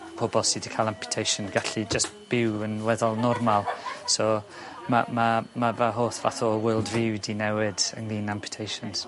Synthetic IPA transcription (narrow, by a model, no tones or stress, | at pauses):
pʰɔbɔlˠsidikʰaːlˠampʰjʊ̥tʰejʃənɡaɬid͡ʒəstb̥ɪwənwɛðɔlˠnɔrmalˠso | mamamavaɦoːθva̰θɔwɪlˠdvɪwdinɛwɪdə̰ŋlˠiːnampʰjə̥tʰejʃənz̥